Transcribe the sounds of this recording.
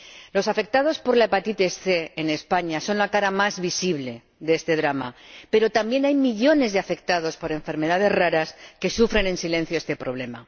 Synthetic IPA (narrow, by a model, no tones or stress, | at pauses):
lo̞safe̞k̚t̪að̞o̞spo̞ɾlaepat̪it̪esθe̞ene̞spaɲaso̞nlakaɾamazβisiβ̞le̞ | ðee̞st̪e̞ð̞ɾama̰pe̞ɾo̞t̪ambje̞najmiʎo̞ne̞zðe̞afe̞k̚t̪að̞o̞spo̞ɾe̞ɱfe̞ɾme̞ðað̞e̞zraɾaske̞sufɾe̞nẽ̞nsile̞n̟θjoe̞st̪e̞pɾo̞β̞le̞ma̰